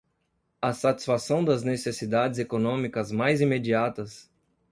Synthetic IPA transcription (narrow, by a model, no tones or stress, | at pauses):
ɐsat͡ʃi̥sfasɐ̃w̃d̪ɐznesesid̪ad͡ʒɪzekonõmikɐzmajzimed͡ʒiat̪ɐs